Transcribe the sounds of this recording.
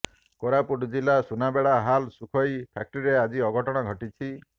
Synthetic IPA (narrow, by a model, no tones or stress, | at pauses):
koɾapuʈd͡ʒilasunabeɭaɦalsukʰɔjpʰak̚ʈɔɾiɾead͡ʒiɔɡʱɔʈɔɽ̃ɔɡʱɔʈit͡ʃʰi